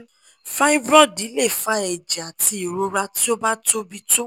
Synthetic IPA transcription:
fa˦i˦vɾɔ˦di˨˦le˦˨fa˦ɛ˨d͡ʒa˨ti˧i˨ɾo˧ɾa˧ti˦o˦ba˦to˦bi˦to˦

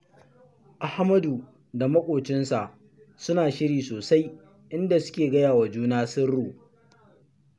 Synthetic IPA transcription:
ʔa˨ha˦mɐ˦du˨ | da˨mɐ˦kʷʼoː˨t͡ʃɪ˦nsa˨ʔ | sʊ˦naː˨ʃɪ˦ɽiː˨soː˨sa˦j | ʔɪ˦nda˨sʊ̥˦kʲeː˨ɡɐ˦jaː˨wa˨d͡ʒuː˦naː˦sɪ˦rːuː˨

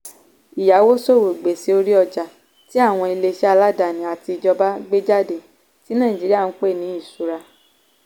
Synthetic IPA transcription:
i˨ja˨˦wo˦so˦˨wo˨ɡ͡be˨si˨˦o˧ɾi˦ɔ˧d͡ʒa˨ | ti˦a˦˨w̃ɔ̃˧i˧le˧ʃɛ˦a˧la˦da˨nĩ˨a˨ti˧˨d͡ʒɔ˧ba˦ɡ͡be˦d͡ʒa˦˨de˨ | ti˨˦nã˦˨ĩ˨d͡ʒi˨˦ɾi˦a˦˨n̩˦k͡pe˦˨nĩ˨˦i˦˨su˨˦ɾa˧

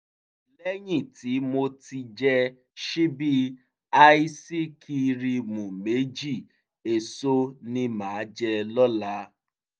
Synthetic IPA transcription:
lɛ˦ɲĩ˦˨ti˨˦mo˦ti˧d͡ʒɛ˧ | ʃi˦bi˦ | a˦i˦si˦kʰi˧ɾi˧mũ˨me˨˦d͡ʒi˦˨ | e˨so˦nĩ˦mãː˨˦d͡ʒɛ˧lɔ˦la˦

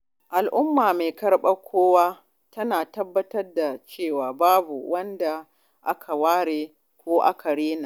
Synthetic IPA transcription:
ʔa˨lʔʊ˦mːaː˨meː˨kɐ˦ɽɓa˦kʷʰoː˦waː˦ | tɐ˦naː˨tɐ˦bːɐ˦tɐ˦rda˨t͡ʃeː˦˨waː˨baː˦bṵ˨wɐ˦nda˨ | ʔa˦kʰa˨waː˦ɽeː˨ | kʷoː˦ʔa̰˦kʰa˨ɽeː˦na˨

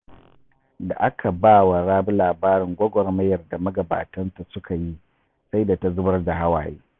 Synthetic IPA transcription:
da̰˨ʔa˦kʰa˨baː˦wa˨ɾaː˦bu˦laː˨baː˦ɾɪ˨ŋɡʷɔ˦ɡʷɔ˨rmɐ˦jɐ˨rda˨mɐ˦ɡɐ˨ba̰ː˨tɐ˦nta˨sʊ˦kʰa˨ji˦ | sa˦jda˨ta˦zʊ˦bɐ˦rd͡ʒa˨ɦa˦wa̰ː˨jḛː˦

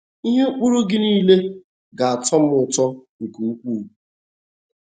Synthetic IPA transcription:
i˦ɦe˦k͡pu˦ɾu˦ɡɪ˦niː˦le˦ | ɡa˨a˨tɔ˦m˦ʊ˨tɔ˦ŋ̩˨ku˨ŋ̩˦kʷu˦˨u˨

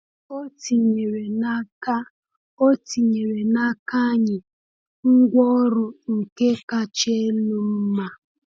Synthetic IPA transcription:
o˦ti˨ɲe˨ɾe˨na˦ka˦ | o˦ti˨ɲe˨ɾe˨na˦ka˦ɲɪ˨ | ŋ̩˦ɡʷɔ˦ɾʊ˨ŋ̩˨ke˦ka˦t͡ʃe˦lu˦m̩˦ma˦

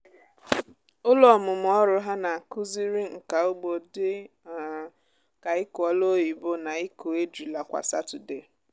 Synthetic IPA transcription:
ʊ˦lɔ˦˨mʊ˨m˨ɔ˦ɾʊ˦ɦa˦na˨kʊ˦zi˦ɾi˦ŋ̩˨ka˨ʊ˦ɡ͡bo˨dɪ˦˨ | ka˨ɪ˦kɔ˨lo˦i˨bʊ˦na˨i˦ko˨e˦di˨la˨kʷa̰˨sa˦tʊ˨de˨

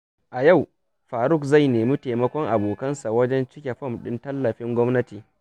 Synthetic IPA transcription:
ʔa˨ja˦˨w | ɸaː˨ɾʊ˦˨kza˦˨jneː˨miː˦te˨mɐ˦kʷɔ˦ŋʔa˨boː˨kɐ˦nsa˨wɐ˦d͡ʒɛ˦nt͡ʃɪ˦kʲe˨ɸɐ˦mɗɪ˦ntɐ˦lːɐ˨ɸɪ˦ŋɡʷɔ˦mnɐ˦tiː˨

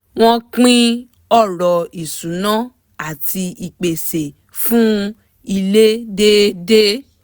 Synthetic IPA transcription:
w̃ɔ̃˦k͡pĩ˦ | ɔ˦˨ɾɔ˨i˨sũ˨˦nã˦ | a˦˨tʰi˧i˨k͡pe˨se˨ | fũ˦ | i˧le˦de˦de˦

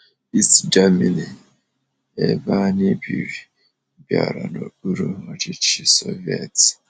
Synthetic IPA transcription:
i˦std͡ʒa˦mi˨ni˨ | e˦ba˦nɪ˦bi˨ɾi˨ | bja̰˨ɾa̰˨no˨k͡pu˦ɾu˦a˨t͡ʃɪ˦t͡ʃi˨so˦vi˦e˨t

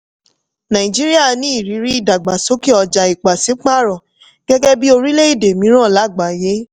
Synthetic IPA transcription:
nã˨ĩ˨d͡ʒi˦ɾi˦a˦˨nĩ˨˦i˦˨ɾi˨˦ɾi˦i˦˨da˨ɡ͡ba˨so˨˦ki˦ɔ˧d͡ʒa˨i˨k͡pa˨si˨˦k͡pa˦˨ɾɔ̃˨ | ɡ̥ɛ˦ɡɛ˦bi˦o˧ɾi˦le˦i˦˨de˨mĩ˨˦ɾ̃ɔ̃˦˨la˨˦˨ɡ͡ba˨je˨˦

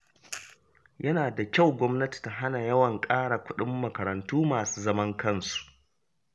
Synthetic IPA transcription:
jʔɐ˦naː˨da˨kʲa˦˨wɡʷɔ˦mnɐ˦ti̥˨ta˦ɦa˦na˨jɐ˦wɐ˨ŋkʼaː˦ɽa˨kʷʊ˦ɗɪ˦mːɐ˨kɐ˨ɾɐ˨ntuː˦maː˨suː˦zɐ˦mɐ˦ŋkɐ˦nsu̥˨ʔ

